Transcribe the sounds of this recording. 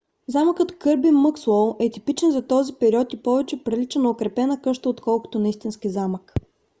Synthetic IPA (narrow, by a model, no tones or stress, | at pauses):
zaməkət̪kɤɾbiməkswɔlˠɛt̪ipit͡ʃɛnzɐt̪ɔzipɛɾʲiɔt̪ipɔvɛt͡ʃɛpɾilit͡ʃənɐokɾɛpɛnəkɤʃt̪əot̪kɔlˠko̥t̪onɐist̪inskizamək